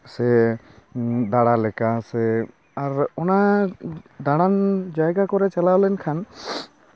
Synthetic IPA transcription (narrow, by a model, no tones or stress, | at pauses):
sɛ | d̪aɽalɛkasɛ | aɾɔna | d̪aɽand͡ʒajɡakɔɾɛt͡ʃalawlɛnkʰan